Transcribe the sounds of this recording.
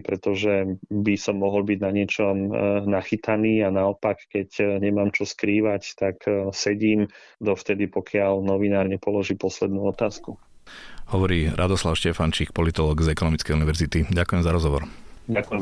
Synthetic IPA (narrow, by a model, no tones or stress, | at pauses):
pɾɛt̪ɔʒɛbisɔmːɔɦɔlbiɟnaɲɪɛt͡ʃɔmnaxit̪aniːanaɔpakːɛcɲɛmaːmt͡ʃɔskɾiːʋact̪aksɛɟiːm | d̪ɔft̪ɛd̪ipɔkʰɪaʎnɔʋinaːɾɲɛpɔlɔʒiːpɔslɛd̪nuːɔt̪aːsku | hɔʋɔɾiːɾʔa̰d̪ɔslaʊʃcɛfant͡ʃikpɔlit̪ɔlɔːɡzɛkɔnɔmit͡skɛjuniʋɛɾzit̪iɟakujɛmzaɾɔzɦɔʋɔɾakuɛ